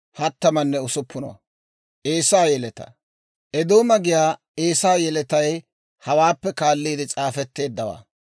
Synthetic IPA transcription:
hɐt̪ːɐmɐnːɛʊsʊpːʊnɔ̰wɐ̰ | ʔeːsaːjɛlɛt̪ɐ̰ | ʔɛd̪o̞ːmɐɡɪjaː | eːsaːjɛlɛt̪ɐj | hɐwaːpːɛkaːlːiːd̪ɪt͡sʼaːfɛt̪ːe̞ːd̪ːɐwa̰ː

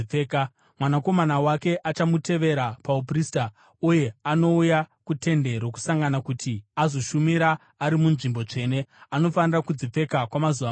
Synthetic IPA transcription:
eːka | mwanako̞manawake̞ʔat͡ʃamutʰe̞ʋe̞ɾapaup̬rista | uje̞ano̞ujakute̞nde̞ɾoku̥saŋɡanakutʰiazo̞ʃumiɾaː | ɾimunʐimbo̞t͡ʂe̞ːne̞ano̞fanirakud͡zip͡fe̞kakwamazuʋa

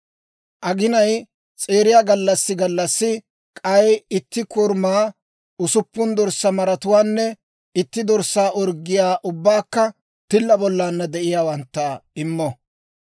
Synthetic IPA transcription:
ʔɐɡɪnɐj | t͡sʼe̞ːɾɪjaːɡɐlːɐsːɪɡɐlːɐsːɪ | kʼɐjɪt̪ːɪkʊɾmaː | ʊsʊpːʊnd̪ɔɾsːɐmɐɾɐt̪ʊwaːnːɛ | ɪt̪ːɪd̪ɔɾsːaːʔɔɾɡɪjaːʔʊbːaːkːɐ | t̪ɪlːɐbɔlːaːnːɐd̪ɛʔɪjaːwɐnt̪ːɐɪmːɔ

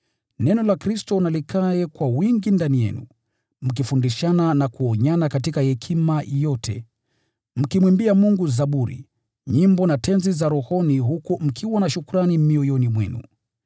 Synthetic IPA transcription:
nɛnɔlakɾistɔnalikʰaɛkwawiŋɡindanijɛ̰nṵ | m̩k̬ifundiʃananakuɔɲanakatikahɛkʰimajɔtʰɛ̰ | m̩kimwimbiamuŋɡuzaɓuɾḭ | ɲimbɔnatʰɛnzizaɾɔhɔniɦukum̩kʰiwanaʃukuɾanimiɔjɔnimwɛ̰nṵ

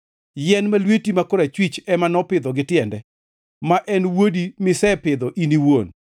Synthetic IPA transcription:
jɛnmalwetimakoɾɛt͡ʃwit͡ʃɛmanɔpɪd̪ɔɡɪtɪɛndɛ | maʔɛnwodimɪsɛpɪd̪ɔʔiniwon

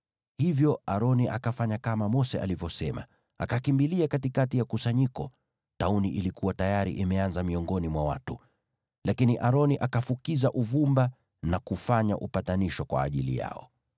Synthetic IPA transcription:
hivjɔaɾɔniʔakafaɲakamamɔsɛʔa̰livɔsɛma̰ | a̰kakimbiliakatikatijakusaɲikɔ | tauniʔilikuwatajaɾḭʔimɛanzamiɔŋɡɔnimwawa̰tu | lakiniʔaɾɔniʔakafukizaʔuvumba | nakufaɲa̰ʔupataniʃɔkwa̰ːʄilḭja̰ɔ̰

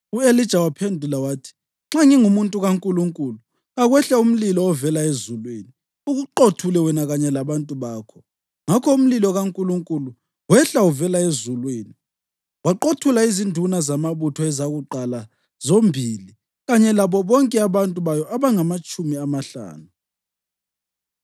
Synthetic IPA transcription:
uelid̥ʒ̥ʱawapʰendʱulawaːtʰi̥ | ŋ͡ǁaŋiŋumuntʼuɣaŋkʼuluŋkʼuːlu | ɣaɣwɛɬaum̩lilɔːvɛlaezulweːni | uɣuǃotʰulɛwɛnaɣaɲɛlaβantʼuβaːkʰɔ̥ | ŋakʰɔum̩lilɔɣaŋkʼuluŋkʼulu | wɛɬauvɛlaezulweːni | waǃotʰulaizindʱunazamaβutʰɔɛzaɣuǃala | zombʱiːli | ɣaɲɛlaβɔβɔŋkʼɛaβantʼuβajɔʔaβaŋamat͡ʃʼumiamaɬa̰ːnu

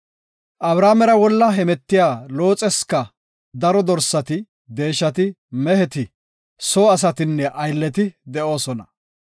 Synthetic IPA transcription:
ʔɐbɾaːmɛɾɐwɔlːɐɦɛmɛt̪ːɪjaːlo̞ːt͡sʼɛskɐ | d̪ɐɾɔd̪ɔɾsːɐt̪ɪ | d̪e̞ːʃːɐt̪ɪ | mɛhɛt̪ɪ | soːɐs̬ɐt̪ɪnːɛʔɐjlːɛt̪ɪd̪ɛʔo̞ːsɔnɐ

